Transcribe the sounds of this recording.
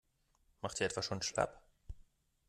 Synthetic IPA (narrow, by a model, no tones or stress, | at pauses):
maχtd̥iːɐɛtv̥aʃoːnʃla̰p